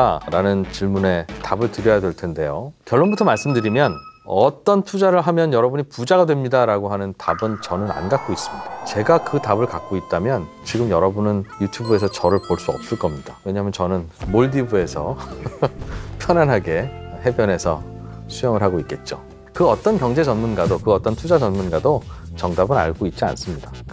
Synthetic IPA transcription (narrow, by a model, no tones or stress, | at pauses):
aɾanɯnt͡ɕiɭmune̞tabɯɭtɯɾjʌjadwe̞ɭtʰe̞nde̞jokjʌɭːonbutʰʌmaɭs͈ɯmdɯɾimjʌnʌt͈ʌntʰud͡ʑaɾɯɭɦamjʌnjʌɾʌbuɲipud͡ʑaɡadwe̞mɲidaɾaɡoɦanɯntabɯnt͡ɕʌnɯna̰nɡak͈ois͈ɯmɲid̥at͡ɕe̞ɡakɯtabɯɭkak͈̚oit̚t͈amjʌn | t͡ɕiɡɯmjʌɾʌbunɯnjutʰubue̞sʰʌt͡ɕʌɾɯɭpoɭs͈uʌp̚s͈ɯɭk͈ʌmɲidawe̞ɲaɦamjʌnt͡ɕʌnɯnmoɭdibue̞sʰʌ̰ | pʰjʌnanɦaɡe̞ɦe̞bjʌne̞sʰʌ̰sʰujʌŋɯɭɦaɡoitk͈e̞t̚t͡ɕ͈o | kɯʌt͈ʌnkʲjʌŋd͡ʑe̞t͡ɕʌnmunɡadokɯʌt͈ʌntʰud͡ʑad͡ʑʌnmunɡadot͡ɕʌŋdabɯna̰ɭɡoit̚t͡ɕ͈ia̰ns͈ɯmɲida